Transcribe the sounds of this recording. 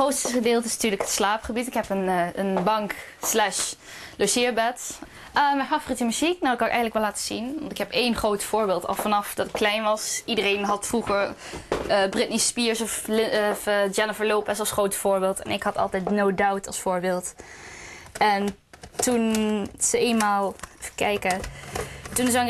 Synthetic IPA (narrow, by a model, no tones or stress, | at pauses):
χowtstəχədeːlˠtəɪsnatyːɹləkɦətslaːpχəbitɪkɦɛpənənbɑŋk | slɛʃ | losɪːɹbɛt | əmɛjnfaːvoritəmyziknawɪkːɑkɛ̰jχədələkʋɛlaːtəz̥inʋɑ̰ntɪkɦɛpejnχrowtfʊːɹbɪːlˠtɑ̰lˠfɑnɑfdɑtɪkːlɛjnʋɑsidərejnɦɑtfruχəɹ | brɪtnispiɹsɔfɪfd͡ʒɛnəfəɹlowpɛsɑlˠsχrowtfʊːɹbɪːlˠtɛ̰nɪkɦɑtɑ̰lˠtɛjtnowdawtɑ̰lˠsfʊːɹbɪːlˠt | ɛn | tunz̥əeːnmaːlˠfə̥kɛjkə | tunzə